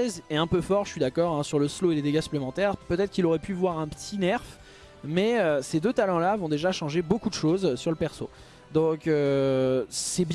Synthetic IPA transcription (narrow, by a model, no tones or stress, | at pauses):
ɛzɛɛ̃pøfɔʁʒəsɥid̪akɔʁɛ̃syʁləsloeled̪eɡasy̥plemɑ̃t̪ɛʁpøt̪ɛt̪χəkʲilɔʁɛpyvwaʁɛ̃pə̥t̪ʰinɛʁf | mɛøsed̪øt̪alɑ̃lavɔ̃d̪eʒaʃɑ̃ʒebokud̪əʃozsyʁləpɛʁso | d̪ɔ̃kø | sɛbj